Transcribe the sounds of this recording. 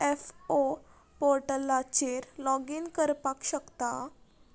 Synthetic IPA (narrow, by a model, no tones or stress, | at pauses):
efo | poɾʈəlat͡ɕeɾlɔɡinkəɾpakɕəkt̪a